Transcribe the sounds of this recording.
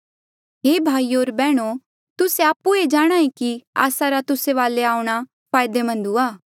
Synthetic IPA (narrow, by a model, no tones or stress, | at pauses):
ɦeːbʱaːioːɾbɛːɽ̃o | t̪ʊseaːpːued͡ʒaːɽ̃aːẽkia̰ːsaɾat̪ʊseʋaːleaːuɽ̃a | pʰaːjd̪emɐ̃nd̪uaː